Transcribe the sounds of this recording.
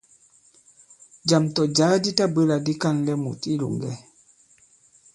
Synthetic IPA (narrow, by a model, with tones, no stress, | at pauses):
d͡ʒa˨mtɔ˨d͡ʒaː˦di˦ta˦bə˦la˨di˦ka˦nlɛ˦mṵ˨ti˦lṵ˨ŋɡɛ˦